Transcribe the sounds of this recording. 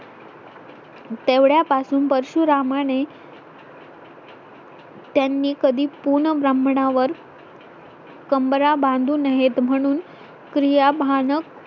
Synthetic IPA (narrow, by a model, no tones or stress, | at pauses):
t̪eʋɽjapasuːnpəɾɕuɾamane | t̪janːiːkəd̪ʱiːpuɾɳəbɾəmɳaʋəɾ | kəmbəɾabãnd̪ʱuːnəɦet̪m̤əɽ̃uːn | kɾijabʱanək